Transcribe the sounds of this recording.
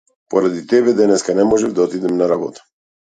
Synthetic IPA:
pɔɾad̪it̪ɛbɛd̪ɛnɛskanɛmɔʒɛvd̪aɔt̪id̪ɛmnaɾabɔt̪ḁ

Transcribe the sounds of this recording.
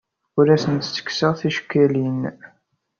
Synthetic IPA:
ʊɾæsənt̪sə̥kːsəʁθiʃə̥kːælin

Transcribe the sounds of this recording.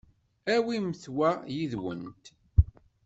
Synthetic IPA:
æwimθwæjiðwə̰nt̪

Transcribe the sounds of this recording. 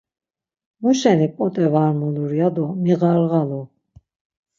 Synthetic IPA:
muʃɛnipʼɔt̪ʼɛvaɾmuluɾjad̪ɔmiɣaɾɣalu

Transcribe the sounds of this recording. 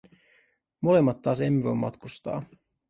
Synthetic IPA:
mo̞le̞mːɑt̪ːɑːs̬e̞mːevo̞jmːɑ̰t̪kust̪ɑ̰ː

